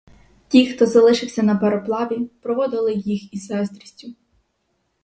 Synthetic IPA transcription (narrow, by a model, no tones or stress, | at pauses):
tʲixt̪ɔzɐlˠɪʃɪwsʲɐnɐpeɾɔplˠɑʋʲipɾɔʋɔd̪ɪlˠɪjixisɛst̪ɾʲisʲtʲʊ